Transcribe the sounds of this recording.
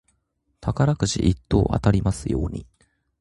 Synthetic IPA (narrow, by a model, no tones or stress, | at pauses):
t̪ʰakaɾakɯ̟ɕiʔit̪ːo̞ːʔa̰t̪aɾʲimasɨjo̞̰ːɲ̟i